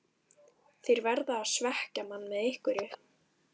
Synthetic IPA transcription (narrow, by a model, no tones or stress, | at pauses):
θejɾvɛɾðaːðsvɛhcamanːmɛðejhkvʏɾɪ